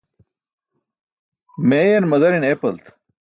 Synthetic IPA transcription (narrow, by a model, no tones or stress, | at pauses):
meːjɐnmɐzɐɾinepɐlt̪